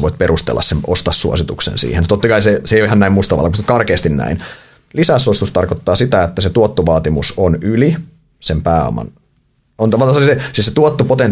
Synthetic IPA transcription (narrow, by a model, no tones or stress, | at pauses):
ʋoit̪̚perust̪ḛlːɑ̰ssemʔost̪ɑsːuo̰sit̪uksḛnsḭːhent̪ot̪ːɑkɑiseseijoihɑnnæimust̪ɑʋɑ̰lɑkust̪kɑrkeːst̪innæ̰in | lisæːsuosi̥t̪ust̪ɑrkot̪ːɑːsit̪æet̪ːæset̪uot̪ːoʋɑːt̪imusonyli | sempæːo̰mɑ̰n | ont̪ɑʋɑlt̪ɑsolisesiːsset̪uot̪ːopot̪en